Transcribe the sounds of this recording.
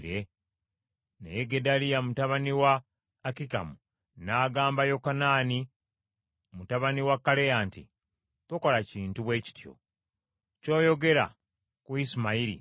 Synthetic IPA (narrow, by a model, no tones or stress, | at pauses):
ɾe | nḛjeɡedalijamutaβaniwaː | kika̰mu | naːɡaːmbajo̞kanaːni | mutaβaniwakːalejaːntḭ | twoko̞laciːntuβwe̞ːci̥tjo̞̰ | co̞ːjo̞ɡe̞ɾa̰ | kuisimaiɾḭ